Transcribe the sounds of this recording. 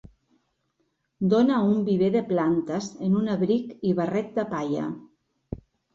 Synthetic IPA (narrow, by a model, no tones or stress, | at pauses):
d̪onaumbiβeðeplant̪azenunaβɾikiβarɛt̪̚d̪apaʎa̰